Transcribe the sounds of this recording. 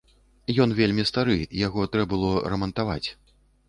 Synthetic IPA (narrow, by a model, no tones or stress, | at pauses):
jɔnvʲelʲmʲist̪aɾɨjaɣɔt̪ɾɛbɨlˠɔɾɐmɐnt̪ava̰t͡sʲ